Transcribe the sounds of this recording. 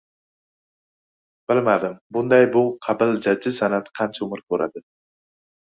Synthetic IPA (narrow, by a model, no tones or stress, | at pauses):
b̥ɪlmad̪ɪmbʊnd̪ɑjbʊqʰɑbɪld͡ʒad͡ʒːɪsanat̪ʰqʰɑnt͡ʃʰaʊmɪɾkʰʲɵɾʔa̰d̪ɪ